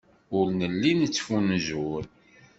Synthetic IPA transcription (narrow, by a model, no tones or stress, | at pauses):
ʊɾnəlːinət͡sːfunʒuɾ